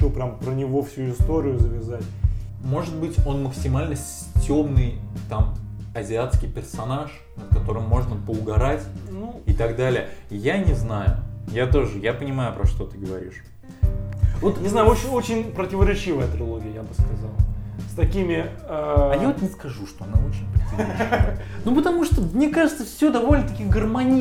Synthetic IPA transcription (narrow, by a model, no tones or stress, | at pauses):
opɾʲampɾənʲɪvo̞fsʲuɪst̪o̞ɾʲɪjʊzəvʲɪzatʲ | mo̞ʐɨd̪̚bɨtʲo̞nməksʲɪmalʲnəsʲ | tʲo̞mnɨjt̪amɐzʲɪat̪skʲɪjpʲɪrsɐnaʂ | nət̪kɐt̪o̞ɾɨmːo̞ʐnəpəʊɡɐɾatʲnuɪt̪ɐɡd̪alʲɪjəjanʲɪznajʊ̰jat̪oʐɨjapənʲɪmajʊpɾɐ̰ʂt̪o̞t̪ɨɡəvɐ̰ɾʲḭʂ | vot̪nʲɪznajʊo̞t͡ɕɪnʲo̞t͡ɕɪnʲpɾətʲɪvəɾʲɪt͡ɕivəjət̪ɾʲɪlˠo̞ɡʲɪjəjabɨskɐzalˠst̪ɐkʲimʲɪ | ɐjavot̪nʲɪskɐʐuʂt̪oɐnao̞t͡ɕɪnʲpʲɪɾsɐnanupət̪ɐmuʂt̪omnʲekaʐɨt̪səfsʲod̪ɐvo̞lʲnət̪ɐkʲiɡərmɐnʲi